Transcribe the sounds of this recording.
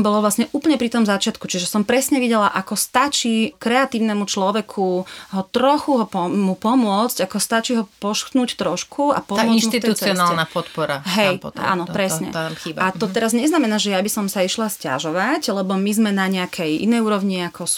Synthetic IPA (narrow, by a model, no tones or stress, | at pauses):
mbɔlɔʋlasɲɛʔuːpl̩ɲɛpɾit̪ɔmzat͡ʃɪat̪kut͡ʃiʒɛsɔmpɾɛsɲɛʋiɟɛlaʔakɔst̪at͡ʃikɾɛat̪iːʊnɛmut͡ʃlɔʋɛkʰuɦɔt̪ɾɔxuɦɔpɔmupɔmʊɔt͡scakɔst̪at͡ʃiɦɔpɔʃxt̪nuːct̪ɾɔʃkʰua̰pɔamɔnmut̪it̪ɛut͡sɛiɔsnaːlˠɛnapɔt̪pɔɾaɦɛjp̪a̰nɔpɾɛssɲɛ̰iat̪ɔt̪ɛɾazɲɛznamɛnaːʒɛjabisɔmsaiʃlasca̰ʒɔʋaclɛbɔmizmɛnaɲɛakʰɛjʔḭnɛjuːɾɔʋɲiakʰɔs